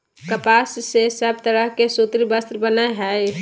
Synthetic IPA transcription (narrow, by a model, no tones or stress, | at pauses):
kəpasːesəb̚ʱt̪əɾəɦkesut̪ɾibəst̪ɾəbənaɦɛ